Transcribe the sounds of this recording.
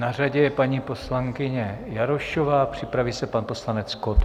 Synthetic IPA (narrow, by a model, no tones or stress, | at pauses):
nar̝aɟɛjɛpaɲiːpo̞slaŋkɪɲɛjaɾoʃovaːpr̝̥ɪpɾaviːsɛpanpo̞slanɛt͡skot̪